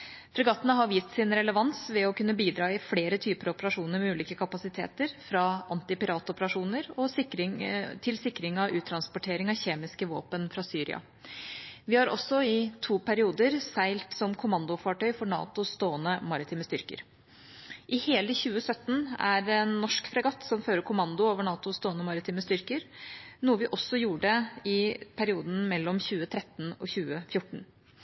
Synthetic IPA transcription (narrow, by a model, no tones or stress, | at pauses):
fɾɛɡɑt̪ːənəɦɑɾjɪːst̪sɪnɾɛləʋɑnsʋɛɔkʉnːəbiːd̪ɾɑːɪfleːɾət̪ʰyːpəɾɔpəɾɑʂuːnəɾmɛʉːliːkəkʰɑpɑsɪt̪ʰḛːt̪əɾfɾɑʔɑnt̪ɪpɪɾɑːt̪ɔpəɾɑʂuːnəɾɔsɪkɾɪŋt̪ʰɪlsɪkːɾɪŋɑʋʉːt̪ʰɾɑnspʊʈʰeːɾɪŋɑʋçeːmɪskəʋo̰ːpənfɾɑsyːɾɪ̰ʔɑ̰ | ʋɪhɑɾɔ̰sːɔɪt̪ʰuːpʰæɾɪuːd̪əɾsæɪlt̪sɔmkʰʊmɑnd̪ʊfɑːʈœʏfɔɳɑ̰ːt̪ʊst̪oːənəmɑɾɪt̪ʰiːməst̪ʏɾkə̰ɾ | ʔɪheːləçʉːəsœt̪ːn̩æɾɛnːɔʂkfɾɛɡɑt̪sɔmføːɾəɾkʰʊmɑnd̪ʊoːʋəɳɑːt̪ʊst̪oːənəmɑɾɪt̪iːməst̪ʏɾkəɾnuːəʋɪʔɔsːɔjuːəɖɛɪpʰæɾɪuːd̪n̩mɛlːɔmçʉːət̪ʰɾɛt̪ːnɔ̰çʉːəfjʊʈːɳ̩